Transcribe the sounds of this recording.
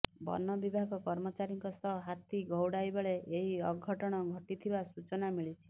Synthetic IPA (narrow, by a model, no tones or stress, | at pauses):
bɔ̰nɔbibʱaɡɔkɔɾmɔt͡ʃaɾiŋkɔsɔɦɦat̪iɡɔwɽajbeɭeʔeɦiɔɡʱːɔʈɔɽ̃ɔɡʱɔʈit̪ʰibasut͡ʃɔnamiɭit͡ʃʰi̥